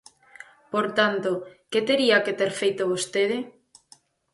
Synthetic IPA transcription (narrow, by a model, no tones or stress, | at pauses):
poɾt̪ant̪oket̪eɾiaket̪eɾfejt̪oβ̞ost̪eð̞ɪ